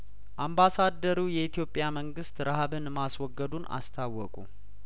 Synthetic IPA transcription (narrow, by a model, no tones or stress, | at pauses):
ʔambasad̪əɾujɛit̪ʰijo̞pʼjaməŋɡɨst̪ɾahβɨnmaswɔɡːəd̪una̰st̪ʰawːɔkʼṵ